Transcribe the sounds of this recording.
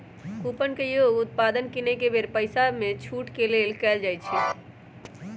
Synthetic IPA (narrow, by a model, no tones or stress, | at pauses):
kuːpənkejoːɡʊt̪̚paːd̪ənkinekebeːɾpəɪsamẽt͡ʃʰuːʈkeleːlkɛːld͡ʒaːit͡ʃʰi